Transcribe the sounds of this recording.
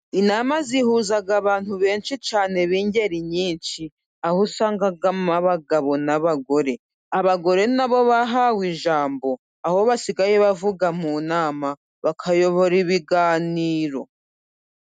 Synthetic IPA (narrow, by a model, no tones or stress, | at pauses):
inamazihuzaɡaβaːn̥huβe̞ːnʃit͡ʃaːne̞βiːɲɟe̞ɾiɲiːnʃi | ahusaːŋɡaɡamaβaɡaβo̞naβaɡo̞ɾe̞ | aβaɡo̞ɾe̞naβo̞βaɦawiʒaːmbo̞ | aho̞βasiɡajeβavuɡamunaːma | βakʰajo̞βo̞ɾiβiɡaːniːɾo̞̰